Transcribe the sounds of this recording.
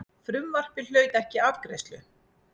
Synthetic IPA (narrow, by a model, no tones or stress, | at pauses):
fɾʏmvar̥pɪl̥œːɥt̪ɛhcɪavkɾḛjst̪lʏ